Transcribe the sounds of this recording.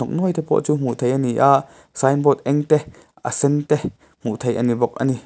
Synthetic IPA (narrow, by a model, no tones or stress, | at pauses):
ɔk̚nɔjt̪ɛpɔ̰ʔt͡sum̥ut̪ʰejʔɐniʔaʔ | sajnbɔt̪̚ʔɛŋt̪ɛ | ʔə̰sɛnt̪ɛ | m̥uʔt̪ʰejʔɐnibɔk̚ʔa̰ni